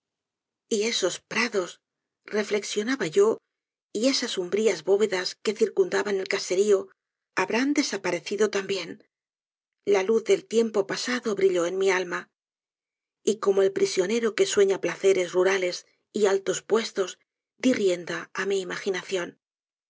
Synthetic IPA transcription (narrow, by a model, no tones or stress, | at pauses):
ie̞so̞spɾaðo̞s | re̞fle̞ksjo̞naβaʝo̞ | ie̞sasumbɾiazβo̞βe̞ðaske̞θiɾkund̪aβane̞lkase̞ɾio̞ | aβɾand̪e̞sapaɾe̞θiðo̞t̪ambje̞n | laluθðe̞lt̪je̞mpo̞pasaðo̞βɾiʎo̞enmialma | iko̞mo̞e̞lpɾisjo̞ne̞ɾo̞ke̞swe̞ɲaplaθe̞ɾe̞zruɾale̞s | ialt̪o̞spwe̞st̪o̞z | d̪irje̞nd̪aːmiːmaxinaθjo̞n